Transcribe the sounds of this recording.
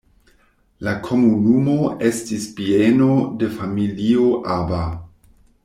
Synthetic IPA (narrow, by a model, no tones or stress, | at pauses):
lakʰo̞munumo̞e̞stispieno̞de̞familioʔaba